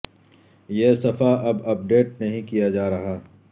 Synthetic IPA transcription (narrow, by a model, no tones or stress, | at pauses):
jeːsɐfaʔɐbɐp̚ɖeːʈ̚nɐɦĩkijad͡ʒaːɾɐɦaː